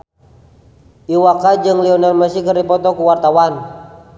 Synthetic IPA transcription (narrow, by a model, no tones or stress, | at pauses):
ʔiwakad͡ʒɨŋlɛɔnarmasikərdipɔt̪ɔkuwart̪awan